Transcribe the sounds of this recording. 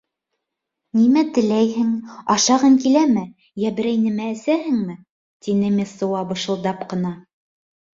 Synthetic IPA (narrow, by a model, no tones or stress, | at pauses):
nimæt̪ɘ̆læjɦɘŋɑʃɑʁɤŋkilæmɘ | jæbɘ̆ɾæjnɘ̆mæ̆ːsæɦɘŋmɘ | t̪inɘmʲesɤ̆wɑbɤ̆ʃɤ̆lˠd̪ɑpqɤ̆nɑ